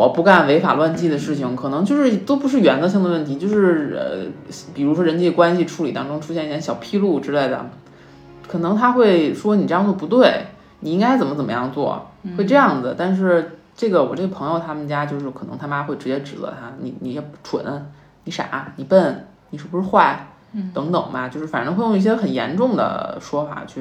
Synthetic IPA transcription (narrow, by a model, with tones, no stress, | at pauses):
wɔ˨˩pu˥˧ka˥˩nwe˧˥ɪfa̰˨˩lwa˥˧nt͡ɕi˥˩d̪ə˩ʂɻ̩˥˩t͡ɕʰi˩ŋkʰɤ˨˩ɤ˧˥ŋt͡ɕjo˥˧ʊʂɻ̩˥˩˧t̪o˥ʊpu˧˥ʂɻ̩˥˩ɥɛ˧˥nd̪ə˧ɕ̬i˥˩ŋd̪ə˩wə˥˩nt̪ʰi˧˥t͡ɕjo˥˧ʊʂɻ̩˥˩ə̰˧pi˨˩ɻu˧˥ʂwɔ˥ɻə˧˥nt͡ɕi˥˩ə˩kwa˥nɕi˨˩ʈ͡ʂʰu˧˥li˨˩t̪ɑ˥ŋʈ͡ʂʊ˥ŋʈ͡ʂʰu˥ɕjɛ˥˧ni˥˩jɕjɑ˨˩ʊpʰi˥lu˥˩ʈ͡ʂɻ̩˥le˥˩ɪd̪ə̰˩ | kʰɤ˨˩nɤ˧˥ŋt̪ʰa˥xwe˥˩ɪʂwɔ˥ni˨˩ʈ͡ʂɤ˥˧jɑ˥˧t͡swɔ˥˩pu˧˥t̪we˥˩ɪ | ni˨˩i˥ŋka˥ɪt͡sə˨˩nmə˦t͡sə˨˩mə˦jɑ̰˥˧ŋt͡swɔ̰˥˩we˥˧ɪʈ͡ʂɤ˥˧jɑ˥˩ŋd͡zɹ̩˩t̪a˥˧nʂ̬ɻ̩˥˧ | ʈ͡ʂɤ˥˩ɡə˩wɔ˨˩ʈ͡ʂɤ˥˩ɡə˩pʰɤ˧˥ŋjo˧ʊt̪ʰa˥mə˨nt͡ɕja˥t͡ɕjo˥˧ʊʂɻ̩˥˩kʰɤ˨˩nɤ˧˥ŋt̪ʰa˥ma˥xwe˥˩ɪʈ͡ʂɻ̩˧˥t͡ɕjɛ˥ʈ͡ʂɻ̩˨˩ə̰˧˥t̪ʰa˥nḭ˧˩ni˨˩jɛ˥˩ʈ͡ʂʰwə̰˨˩˦n˥ | ni˧˥ʂa̰˨˩˦ni˨˩pə˥˩n | ni˨˩ʂɻ̩˥˩bu˧ʂɻ̩˥˧xwa˥˩ɪ | t̪ɤ˧˥ŋt̪ɤ˨˩ŋmɐ˦t͡ɕjo˥˧ʊʂɻ̩˥˩a˨˩nʈ͡ʂɤ˧˥xwe˥˧ɪjʊ˥˧ŋi˥˩ɕjɛ˥xə˨˩njɛ̰˧˥nʈ͡ʂʊ˥˩ŋd̪ə̰˩ʂwɔ˥fa̰˨˩t͡ɕʰy˥˩